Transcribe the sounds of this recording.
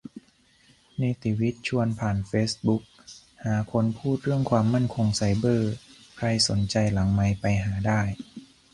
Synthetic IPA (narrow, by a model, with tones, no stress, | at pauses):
niː˧˥˩t̪i˧˩wi˦˥t̪̚t͡ɕʰu˧ənpʰaː˨˩nfeː˦˥sbu˦˥k̚ | haː˩˦kʰo˧npʰuː˥˩t̪̚ɾɯ˥˩əŋkʰwaː˧mːa˥˩nkʰo˧ŋsa˨˩jbɤː˧˩kʰɾa˧jso˩˦nt͡ɕa˧jla˩˦ŋma˧jpa˧jɦaː˩˦daː˥˩j